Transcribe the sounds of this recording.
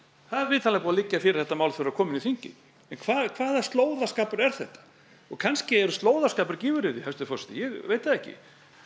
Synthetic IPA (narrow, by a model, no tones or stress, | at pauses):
θaðɛɾvɪːðt̪ʰalɪɣapuːvalɪcːafɪɾɪɾ̥θɛht̪ːamawlθɛɾakʰɔːmɪniθiɲcɪ̰ | ɛnkʰvaːðkʰv̥aːðast̪loːwðaskaːpʏɾɛɾ̥θɛht̪ḁ | ɔɣkʰanscɪɛɾʏst̪loːwðaskaːpʏɾcɪːvʏɾɪðɪhɛst̪ɪfɔst̪jɛɣveːjt̪aðɛhcɪ̰